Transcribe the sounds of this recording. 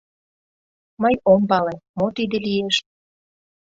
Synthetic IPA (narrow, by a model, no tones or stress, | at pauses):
mɤjombɑlemot̪id̪ĕlijeʃ